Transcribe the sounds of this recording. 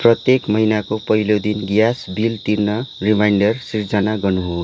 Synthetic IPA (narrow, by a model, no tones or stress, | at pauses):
prʌt̪jekmʌɦinakopʌɦilod̪inɡjasbilt̪irnʌrimajɳɖʌrsird͡zʌnaɡʌnuɦo